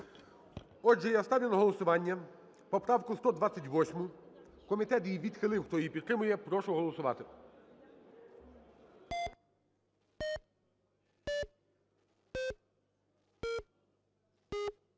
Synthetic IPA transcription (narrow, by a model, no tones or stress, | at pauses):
ɔʒɛjast̪ɑʋʲilˠɐɦɔlˠɔsʊʋɑnʲːɐ | pɔpɾɑwkʊst̪ɔd̪ʋɑt͡sʲːɐtʲʋɔsʲmʊ | kɔmʲit̪ɛt̪jijʋʲid̪xɪlˠɪwxt̪ɔjijpʲid̪̚t̪ɾɪmʊjɛpɾɔʃʊɦɔlˠɔsʊʋɑ̰t̪ɪ